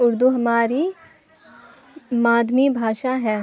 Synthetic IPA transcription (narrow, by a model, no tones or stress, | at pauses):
ʊɾd̪uɦɐmaːɾi | maːd̪mibʱaːʃaɦɛː